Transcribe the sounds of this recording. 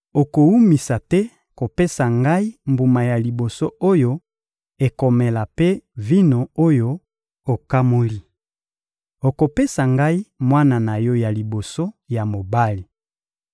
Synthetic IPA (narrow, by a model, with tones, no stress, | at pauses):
o˨ko˨wu˦mi˨sa˨tɛ˦ | ko˨pe˦sa˨ŋɡa˦i˦mbu˨ma˨ja˨li˨bo˨so˦o˦jo˦ | e˨ko˨me˨la˨pe˦vi˦no˨o˦jo˦ | o˨ka˦mo˦li˦ | o˨ko˨pe˦sa˨ŋɡa˦i˦mwa˦na˨na˨jɔ˦ja˨li˨bo˨so˦ja˨mo˨ba˦li˨